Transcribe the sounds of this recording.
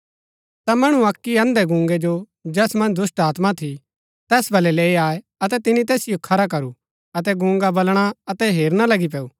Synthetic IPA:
t̪amɐɽ̃ũɐkːiɐ̃nd̪ɛɡʊ̃ːŋɡɛd͡ʒo | d͡ʒɛːsmɐ̃nd͡ʒd̪ʊsʈaːt̪mat̪ʰi | t̪ɛːsbʱɐlɛleːiaːe | ɐt̪ɛt̪ɪnit̪ɛːsɪjokʰɐɾak̬ɐɾu | ɐt̪ɛɡʊ̃ːŋɡabɐlɽ̃aɐt̪ɛɦeːɾñalɐɡipɛːuː

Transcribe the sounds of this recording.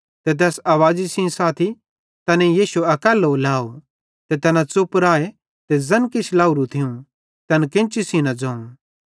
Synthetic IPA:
t̪et̪̬ɛːsaːʋaːd͡ʒisĩsaːt̪ʰi | t̪ɐnẽjiːʃuɐkəlɦoːlaːo | t̪et̪ɐnãt͡sʊpɾaːe | t̪ezɐnkɪt͡ʃʰlaːuɾut̪ʰɪũ | t̪ɐnkẽːnt͡ʃisĩnad͡zɐ̃ːũ

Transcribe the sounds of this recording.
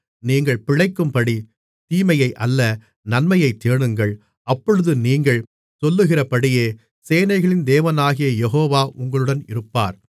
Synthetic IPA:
niːŋɡɐɭpɪɻɐɪkːɯmpɐɽi | t̪iːmɐjɐɪʔɐlːɐ | nɐnmɐjɐɪt̪ːeːɳɯŋɡɐɭ | ɐpːɔɻɯðɯniːŋɡɐɭ | sɔlːɯɣɪrɐpɐɽɪjeː | seːnɐɪɣɐɭɪnd̪eːʋɐnaːɣɪjɐjɛɦoːʋaːʔʊŋɡɐɭɯɽɐnɪɾɯpːa̰ːɾ

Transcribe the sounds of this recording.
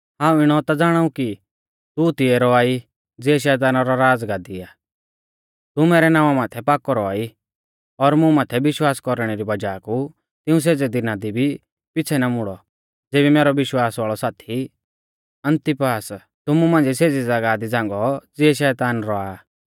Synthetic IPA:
ɦãːũɪɽ̃ɔt̪ad͡zaːɽ̃aːũki | t̪ut̪ɪɛɾɔaːi | d͡zɪɛʃ̬ɛːt̪̬aːnaɾɔɾaːd͡zɡaːd̪iaː | t̪umɛːɾɛnaːʋamaːt̪ʰɛpaːkɔɾɔaːi | ɔɾmũmaːt̪ʰɛbɪʃwaːskɔɾɽ̃ɛɾibɐd͡ʒaːku | t̪ɪ̃ũs̬eːd͡zɛd̪inaːd̪ibʱi | pɪt͡sʰɛnamʊɽɔ | d͡zeːbimɛːɾɔʋɪʃwaːsʋaːɭɔsaːt̪ʰi | ɐ̃nt̪ɪpaːs | t̪ʊmumãːnd͡ziseːd͡zɛd͡zɐɡad̪id͡zãːŋɡɔd͡zɪɛʃɛːt̪aːnɾɔaː

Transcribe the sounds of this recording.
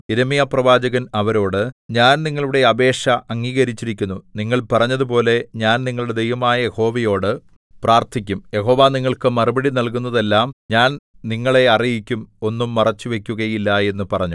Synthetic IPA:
iɾɐmijaprɐʋaːd͡ʑɐɣɐnɐʋɐɾo̞ːɽɨɲaːnniŋːɐɭuɽe̞ɐbe̞ːʂɐɐŋːiːɣɐɾit͡ɕːiɾikʲːunːuniŋːɐɭpɐrɐɲːɐðupo̞ːle̞ɲaːnniŋːɐɭuɽe̞d̪e̞jʋɐmaːjɐje̞ho̞ːʋɐjo̞ːɽɨ | praːrt̪ʰikʲːumje̞ɦo̞ːʋaːniŋːɐɭkɨmɐrubɐɽinɐlk̬unːɐðe̞lːaːmɲaːn | niŋːɐɭe̞ɐrijikʲːumo̞nːumːɐrɐt͡ɕːuʋe̞kʲːuɣɐjilːɐe̞nːupɐrɐɲːu

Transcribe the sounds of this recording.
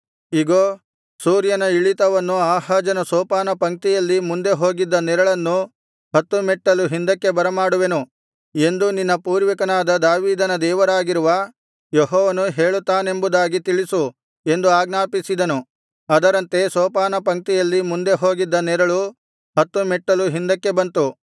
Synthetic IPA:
iɡoː | suːɾjɐnɐiɭit̪ɐʋɐnːuaːhaːd͡ʒɐnɐsɔːpaːnɐpɐŋ̚t̪ijɐlːimund̪eɦo̞ːɡid̪ːɐnɛɾɐɭɐnːu | hɐt̪ːumɛʈːɐluɦind̪ɐkːe̞bɐɾɐmaːɽuʋenu | e̞nd̪uninːɐpuːɾʋɐkɐnaːd̪ɐd̪aːʋiːd̪ɐnɐd̪ɛːʋɐɾaːɡiɾuʋɐ | jeɦɔːʋɐnuɦeːɭut̪ːaːne̞mbud̪aːɡit̪iɭisu | e̞nd̪uaːɡnaːpisid̪ɐnu | ɐd̪ɐɾɐnt̪e̞sɔːpaːnɐpɐŋk̚t̪ijɐlːimund̪e̞ɦo̞ːɡid̪ːɐnɛɾɐɭu | hɐt̪ːumɛʈːɐluɦind̪ɐkːe̞bɐnt̪u

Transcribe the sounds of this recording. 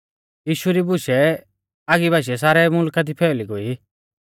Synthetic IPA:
jiːʃuɾibʊʃɛ | aɡibaːʃ̬ɛs̬aːɾɛmʊlkat̪ipʰɛːʊliɡoi

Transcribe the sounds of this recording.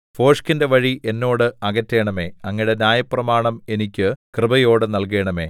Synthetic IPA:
fo̞ːʂkinde̞ʋɐɻiʔe̞nːo̞ːɽɨɐɣɐtːe̞ːɳɐme̞ːɐŋːiɽe̞njaːjɐprɐmaːɳɐme̞nikʲːɨkrɨbɐjo̞ːɽɨnɐlke̞ːɳɐme̞̰ː

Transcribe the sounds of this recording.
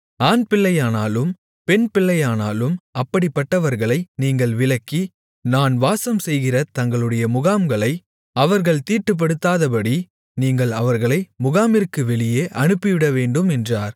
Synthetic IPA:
aːnpɪɭːɐjaːnaːlɯm | pɛnpɪɭːɐjaːnaːlɯmɐpːɐɽɪpːɐʈːɐʋɐɾɣɐɭɐɪniːŋɡɐɭʋɪlɐkːi | naːnʋaːsɐmsɛjɣɪrɐt̪ɐŋɡɐɭɯɽɐjɐmʊɣaːmɡɐɭɐɪ | ɐʋɐɾɣɐɭt̪iːʈːɯp̬ːɐɽɯt̪ːaːðɐpɐɽi | niːŋɡɐɭɐʋɐɾɣɐɭɐɪmʊɣaːmɪrkːɯʋɛɭɪjeːʔɐnɯpːɪʋɪɽɐʋeːɳɖɯmɛndraːɾ

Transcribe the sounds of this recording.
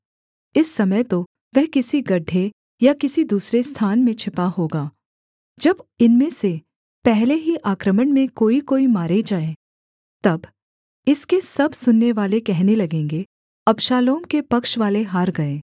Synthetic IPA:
ɪsːɐməjt̪o | ʋɛɦkɪsiɡɐɖʱːe | jakɪsid̪uːsɾest̪ʰaːnmẽt͡ʃʰɪpaɦoːɡaː | d͡ʒɐbɪnmẽse | pɛɦleɦiʔaːkɾəməɽmẽkoːikoːimaːɾed͡ʒaːẽ | t̪ɐb | ɪskesɐbsʊnːeʋaːlekɛɦnelɐɡẽːŋɡe | ɐpʃaːloːmkepɐkʃʋaːleɦaːɾɡɐẽː

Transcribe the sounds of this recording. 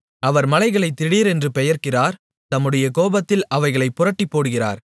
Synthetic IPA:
ɐʋɐɾmɐlɐɪɣɐɭɐɪt̪ːɪɽiːɾɛndrɯpɛjɐɾkɪraːɾ | t̪ɐmːɯɽɐjɐkoːbɐt̪ːɪlɐʋɐɪɣɐɭɐɪpːʊrɐʈːipːoːɽɯɣɪra̰ːɾ

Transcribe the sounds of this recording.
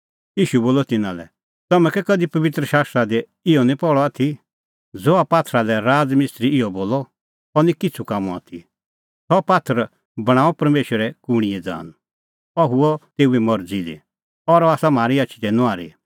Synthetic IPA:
iːʃuboːlɔt̪ɪnãlɛ̰ | t̪ɐmɛ̃kɛkɐd̪ipɐʋɪt̪ɾəʃaːst̪ɾad̪ɛ | ɪɔnĩpɔɭɔaːt̪ʰi | d͡zɔapaːt̪ʰɾalɛɾaːd͡zmɪst̪ɾiɪɔboːlɔ | ɔnĩkɪt͡sʰukaːmũa̰ːt̪ʰi | sɔpaːt̪ʰəɾ | bɐɽ̃ãːɔpɐɾmeːʃəɾɛkʊɽ̃iɛd͡za̰ːn | ɐɦuɔt̪eːuɛmɔɾd͡zid̪ḭ | ɔɾɔaːsamaːɾiatːʃʰi̥t̪ɛnʊ̃aːɾḭ

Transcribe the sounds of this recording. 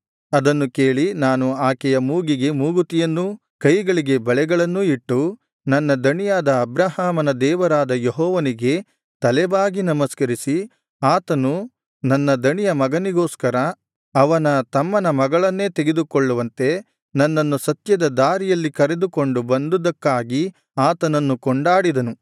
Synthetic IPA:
ɐd̪ɐnːuke̞ːɭinaːnuaːkɛjɐmuːɡiɡe̞muːɡut̪ijɐnːu | kɐjɡɐɭiɡe̞bɐɭɛɡɐɭɐnːuiʈːu | nɐnːɐd̪ɐɳijaːd̪ɐːbɾaɦaːmɐnɐd̪ɛːʋɐɾaːd̪ɐjɔɦɔːʋɐniɡe̞ | t̪ɐlɛbaːɡinɐmɐskɐɾisi | aːt̪ɐnu | nɐnːɐd̪ɐɳijɐmɐɡɐniɡoːskɐɾɐ | ɐʋɐnɐt̪ɐmːɐnɐmɐɡɐɭɐnːe̞ːt̪eɡed̪ukɔɭːuʋɐnt̪e̞ | nɐnːɐnːusɐt̪jɐd̪ɐd̪aːɾijɐlːikɐɾe̞d̪uko̞ɳɖubɐnd̪ud̪ɐkːaːɡi | aːt̪ɐnɐnːukɔɳɖaːɽid̪ɐnu

